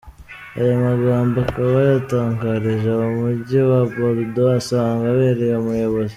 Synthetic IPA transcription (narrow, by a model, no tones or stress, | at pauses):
a̰jamaɡaːmboakaβajataːŋkaɾiʒaβamuɾɟiwaboɾdoasaːŋɡaβe̞ːɾejomujo̞βo̞zi